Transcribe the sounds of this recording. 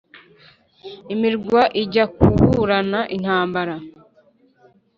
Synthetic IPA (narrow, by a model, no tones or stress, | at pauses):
imiɾɡwaʔiɟakuhuɾanaʔin̥haːmbaɾa